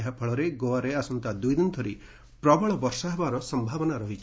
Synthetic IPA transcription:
ɦapʰɔɭɔɾeɡoaɾeasɔnt̪ad̪ujd̪int̪ʰɔɾi | pɾɔbɔɭɔbɔɾsaɦbaɾɔsɔmbʱabɔnaɾɔɦit͡ʃʰ

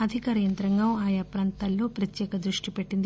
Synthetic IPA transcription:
ɐd̪ʱikaːɾɐjɐnt̪ɾɐŋɡɐaːjapɾaːnt̪ɐlːo̞ːpɾɐt̪jɛːkɐd̪ɾuʂʈipeʈːind̪i

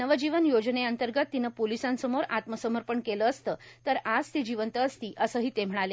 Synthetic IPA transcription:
nəʋəd͡ʑiʋənjod͡ʑneənt̪əɾɡət̪ːinəpolisãnsəmoɾat̪məsəməɾpəɳkeləːst̪ət̪əɾad͡zt̪id͡ʑiʋənt̪əːst̪iːʔəsəːɦiːt̪em̤əɽ̃ale

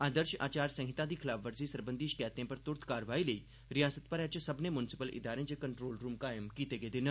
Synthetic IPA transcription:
aːd̪əɾʃa̰ːt͡ʃaːɾsɐ̃ŋɦɪt̪ãd̪iːkʰɪlaːfʰʋəɾsisɐɾbə̃nd̪iːʃkɛːt̪ẽpɐɾt̪ʊɾt̪ʰkaːɾʋaːiləiː | ɾɪjaːsət̪̚pɐɾɛt͡ʃsɐbnemʊnɪsɪpəlʔɪ̰d̪aːɾẽt͡ʃekɐɳʈɾoːlɾuːmkaːjəmkiːt̪eɡeːd̪ɪn

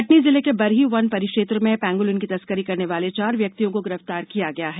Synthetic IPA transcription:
ɐʈnizɪlekebɐɾɦiʋɐnpɐɾɪkʃeːt̪ɾəmẽpɛ̃ːŋɡʊlʊnkit̪ɐskəɾikɐɾneʋaːlet͡ʃaːɾʋjɐk̚t̪ijõkoɡɪɾəft̪aːɾkijaɡɐjaɦɛː

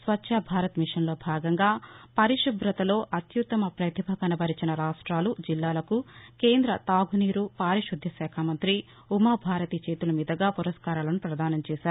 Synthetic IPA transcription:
sʋɐtːt͡ʃːɐbʱaːɾɐt̪miʂɐnlo̞ːbʱaːɡɐŋɡaːpɐɾiʃɐbɾɐt̪ɐlo̞ːʔɐt̪jut̪ːɐmɐpɾɐt̪ibʱɐkɐnɐbɐɾit͡ʃinɐɾaːʂʈɾaːlud͡ʒilːaːlɐkuke̞ːnd̪ɾɐt̪aːɡʱuniːɾupaːɾiʃud̪ʱjɐʃɛːkʰaːmɐnt̪ɾi | umaːbʱaːɾɐt̪it͡ʃeːt̪ulɐmiːd̪ɐɡaːpuɾɐskaːɾaːlɐnupɾɐd̪aːnɐmt͡ʃeːʃaːɾu

